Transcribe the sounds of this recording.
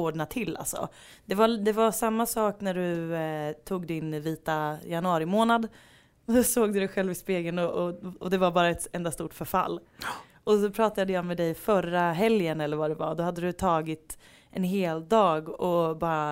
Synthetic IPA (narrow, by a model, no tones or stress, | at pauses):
oːɖɳat̪ʰɪlːa̰lsɔ̰ | d̪̥ɛvad̪ɛvasamːasɑːknæɖɵ | t̪ʰuːɡd̪ɪnviːt̪ajanɵɑːɾɪmoːnad̪ | sɔsoːɡd̪ɵd̪ɛjɧɛlvɪspeːɡənɔɔɔd̪ɛvaɾbɑːɾaɛt̪ɛnd̪ast̪uːʈfœɾfa̰lː | ɔsɔpʰɾɑːt̪ad̪əjɑːmɛd̪ɛjfœɾaɦɛljənɛlːəɾvadɛva̰ɾd̪ɔhad̪ːəd̪ɵt̪ʰɑːɡɪt̪ | ʔɛnɦeːld̪ɑːɡɔbɑːɾa